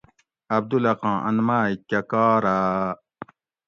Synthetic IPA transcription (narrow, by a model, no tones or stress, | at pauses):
ɐb̚d̪ulɐqɑ̃ːʔɐnmaːikːakaːɾaː